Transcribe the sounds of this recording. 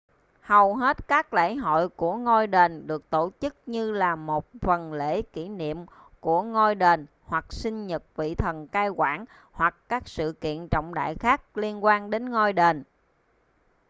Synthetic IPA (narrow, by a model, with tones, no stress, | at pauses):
hə˨˩wɦe˦˥t̚kaː˦˥k̚lḛ˧˥ɦo̰˧˨jku˧˩əŋo˧jɗe˨˩nɗɨ˨˩ək̚t̪o˧˩t͡ɕɨ˦˥k̚ɲɨ˧laː˨˩mo˨˩t̚fə˨˩nlḛ˧˥ki˧˩nḭ˧˨əm | ku˧˩əŋo˧jɗe˨˩n | hwa˨˩k̚sï˧ŋɲə˨˩t̚vḭ˧˨t̪ʰə˨˩nkaː˧jkwaː˧˩n | hwa˨˩kːaː˦˥k̚sɨ̰˧˨kḭ˧˨ənt͡ɕɔ̰˧˨wŋ͡mɗa̰ː˧˨jxaː˦˥k̚li˧ənkwaː˧nɗe˨˦nŋo˧jɗe˨˩n